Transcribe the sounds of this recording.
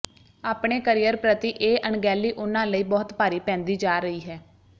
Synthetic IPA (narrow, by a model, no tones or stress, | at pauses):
aːpɳeːkəɾijəɾpɾət̪iːʔeːʔəɳɡɛːlːiːʔʊnãːləiːbɔːt̪paːɾiːpɛ̃ːnd̪iːd͡ʒaːɾəiːɦɛː